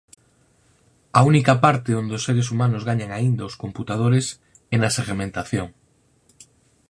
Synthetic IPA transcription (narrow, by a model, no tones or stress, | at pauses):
aunikapaɾt̪eond̪eosːeɾesumanozɣaɲaŋaind̪aoskomput̪að̞oɾes | enaseɣmẽnt̪aθjoŋ